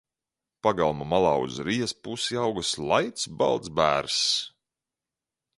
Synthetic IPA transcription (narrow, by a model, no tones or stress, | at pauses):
paɡalˠmamalˠaːṵzɾijɛspusjawɡɨslˠajt̪sba̰lˠd̪zbæ̰ːɾs